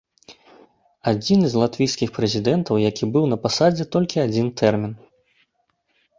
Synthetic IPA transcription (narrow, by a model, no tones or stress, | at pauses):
ad͡zʲinzʲlˠat̪vʲijskʲixpɾɛzʲid̪ɛnt̪ɐwjakʲibɨwnɐpasad͡zʲɛt̪ɔlʲkʲiad͡zʲint̪ʰɛrmʲin